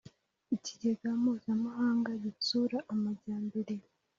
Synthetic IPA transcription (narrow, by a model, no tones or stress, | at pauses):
iciɟe̞ɡamuːzamahaːŋɡaɟit͡suɾaʔːmaɟaːmbe̞ɾe